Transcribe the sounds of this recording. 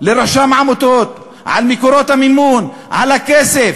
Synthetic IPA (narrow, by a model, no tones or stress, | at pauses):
leɾˤɑʃaːmaʕmot̪oːt̪ | ʕa̰lmikoɾoːt̪hamɪmːuːn | ʕalakeːsef